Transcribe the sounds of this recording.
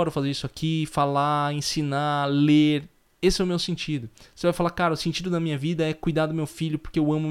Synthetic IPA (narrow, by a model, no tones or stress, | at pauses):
ɔɾʊfazeɾisʊakʰifalaẽsĩnaleɾ | esɪɛʊmewsẽt͡ʃid̪ʊsevajfalakaɾɐʊsẽnt͡ʃid̪ʊnɐmĩɲɐvid̪ɐɛkujd̪ad̪ʊmewfiʎʊpoɾkeewɐ̃mʊm